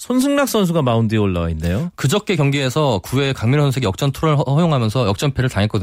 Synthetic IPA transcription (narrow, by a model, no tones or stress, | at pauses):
sʰons̬ʰɯŋnak̚s͈ʌns̬ʰuɡamaundioɭːawainːejokɯd͡ʑʌk̚k͈ekjʌŋɡiesʰʌkue̞kaŋmjisʰʌnsʰeɡijʌk̚t͡ɕ͈ʌntʰuɾɯɭʌjoŋɦamjʌnsʰʌjʌk̚t͡ɕ͈ʌnpʰeɾɯɭtaŋɦe̞k͈ʌdɯ